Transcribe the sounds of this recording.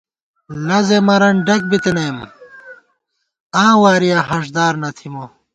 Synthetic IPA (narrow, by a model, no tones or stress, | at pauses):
lɐzemɐɾɐnɖɐk̚bit̪enɐm | ãːwaːɾijãhɐʂ̬d̪aːɾnɐt̪ʰimo